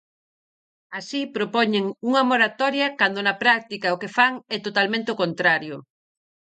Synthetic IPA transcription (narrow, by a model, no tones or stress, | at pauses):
asipɾopɔɲeŋuŋɐmoɾat̪ɔɾjɐkand̪onɐpɾak̚t̪ikɐokefaŋɛt̪ot̪almẽnt̪eokont̪ɾaɾjʊ